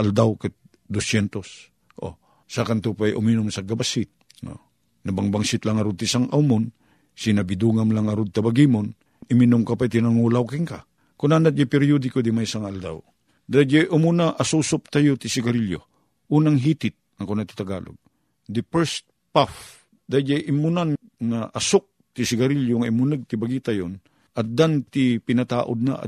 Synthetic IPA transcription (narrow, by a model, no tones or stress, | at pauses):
ʔɐld̪awkɛt̪̚ | d̪osjɛnt̪os | ʔo̰ | sakant̪upajʔʊ̰minʊmsɐɡabasɪt̪̚ | o̰ | nɐbaŋbaŋsɪt̪laŋɐɾʊd̪̚t̪isaŋʔawmʊn | sinɐbid̪uŋamlaŋɐɾud̪̚t̪abaɡimon | ɪminʊmkapajt̪ɪnaŋuːlawkɪŋka | kʊnanat̪̚d͡ʒɛpɛɾjod̪ɪkod̪imajsaŋaald̪aw | d̪ajd͡ʒajʔʊmunaʔasusʊp̚t̪ajot̪ɪsɪɡɐɾiljo̰ | ʔuːnaŋɦiːt̪ɪt̪̚ɐŋkonat̪i̥t̪aɡa̰ːlo̰ɡ̚ | d̪ɪpɛɾst̪̚ | paf | d̪ajd͡ʒajʔɪmːunan | ŋaʔɐsʊk̚t̪ɪsɪɡɐɾiljoŋaʔimunɨɡ̚t̪ɪbaɡiːt̪ajon | ʔɐt̪̚d̪ant̪ipɪnɐt̪a̰ːʔod̪̚na̰ʔa̰